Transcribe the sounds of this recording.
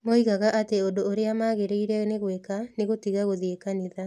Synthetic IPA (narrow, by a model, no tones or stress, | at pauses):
moiɣaɣaʔateondoːɾeamaːɣeɾeiɾɛneɣwekaneɣotiɣaɣoðiekaneða